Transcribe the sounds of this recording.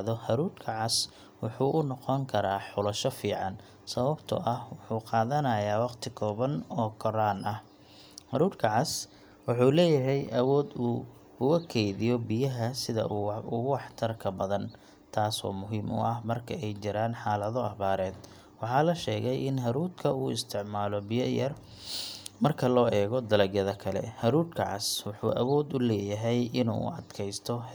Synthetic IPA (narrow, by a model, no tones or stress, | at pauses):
ðɔhɐɾuːrkʰɐʕɑs | wʊħuːʔʊnɔqɔŋkʰɐɾaːħʊlɐʃɔfiːʕɑn | sɐβɐbt̪ʰɐ̰ʔɐhwʊħuːqɑːðɐnɐjaːwɑqt̪ʰɪkʰɔːβɐnɔːkʰɔɾaːnʔɐh | hɐɾuːrkʰɐʕɑs | wɑħuːlɛːjɐɦɛjʔɐwɔːd̪uː | ʊɣɐkʰɛjðɪjɔbɪjɐɦɐsɪðɐ̰ʊwɑħt̪ʰɐrkʰɐbɐðɐn | t̪ʰaːsɔ̰ːmʊɦiːmʊ̰ʔɐhmɐrkʰɐɛjt͡ʃɪɾaːnħɑːlɐðɔɐβaːɾɛːd̪ | wɑħɑːlɐʃɛːɣɛjɪnɦɐɾuːd̪kʰɐuːɪst̪ʰɪʕmaːlɔbɪjɐjɐr | mɐrkʰɐlɔːʔɛːɣɔd̪ɐlɐɡjɐðɐkʰɐlɛ̰hɐɾuːd̪kʰɐ̰ʕɑ̰swɑħuːʔɐwɔːd̪ʊlɛːjɐɦɛjʔɪnṵːɐ̰d̪kʰɛjst̪ʰɔ